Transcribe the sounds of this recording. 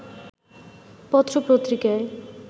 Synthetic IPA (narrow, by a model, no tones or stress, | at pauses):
pɔt̪ːɾopɾot̪ɾika